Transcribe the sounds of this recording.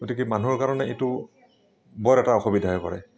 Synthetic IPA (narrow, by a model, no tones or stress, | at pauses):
ɡ̥otikɛmanuɹkaɹɔnɛetʊ | bɔɹɛtaɔxobidʱaɦɔjpɔ̰ɹɛ̰